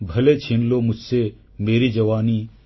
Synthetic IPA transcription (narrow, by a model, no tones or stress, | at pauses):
bʱɐlet͡ʃʰinlomʊd͡ʒʱse | meːɾid͡ʒɐʋaːniː